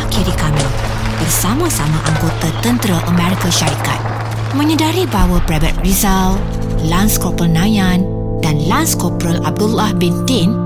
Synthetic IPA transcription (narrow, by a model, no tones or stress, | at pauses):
akiɾikami | bərsamãsamãʔaŋɡot̪at̪ənt̪ɾaʔəmɛ̃ɾikaʃaɾikat̪̚ | mə̃ɲə̃daɾibawapɾabat̪̚rizal | lanskɔpəlnãjãn | danlanskɔpɾəla̰b̚dulahbintin